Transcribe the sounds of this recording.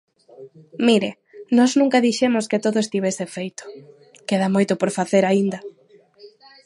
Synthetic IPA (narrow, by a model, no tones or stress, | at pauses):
miɾe | nɔznũŋkɐðiʃemʊskɪt̪oðʊest̪iβ̞esefejt̪ʊ̥ | keðamojt̪ʊpoɾfaθeɾaind̪ɐ